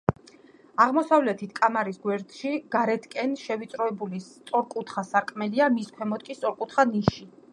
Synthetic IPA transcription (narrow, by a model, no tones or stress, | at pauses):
aʁmɔsavlɛt̪ʰit̪ʰkʼamaɾisɡwɛɾt̪ʼʃiɡ̥aɾɛt̪ʰkʼɛnʃɛvit̪sʼɾɔɛbulist̪sʼɔɾkʼut̪ʰχasaɾkʼmɛliamiskʰwɛmɔd̪̚kʼist̪ʼɔɾkʼut̪ʰχaniʃi